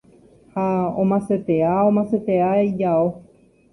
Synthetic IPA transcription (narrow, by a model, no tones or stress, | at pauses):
haõ̰mãset̪e̞aõmãset̪e̞aid͡ʒao